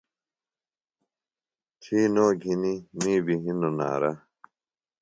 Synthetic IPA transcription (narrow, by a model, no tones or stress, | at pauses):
t͡ɕʰiːnoːɡʱinimiːbiɦinona̰ːɾa